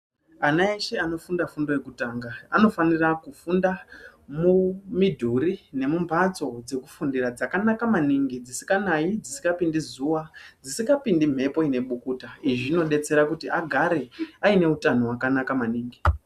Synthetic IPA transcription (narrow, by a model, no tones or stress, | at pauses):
anaeʃe̞ano̞fundafundojekutaːŋɡaano̞fanirakufundamumidʱuɾine̞mumbʱad͡zo̞d͡ze̞kufundiɾad͡zakanakamaniŋɡid͡zisi̥kanaid͡zisi̥ŋɡapindizuːwad͡zisiŋɡapindim̤e̞po̞ine̞ɓukuːtaiʐino̞ɗe̞t͡se̞ɾakutiʔaɡʱaɾe̞aine̞utanowakanakamaniːŋɡi